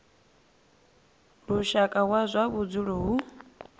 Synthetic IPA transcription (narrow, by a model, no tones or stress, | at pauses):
ɺuʃakʼaɦwazʷaβud͡zuɺɔɦu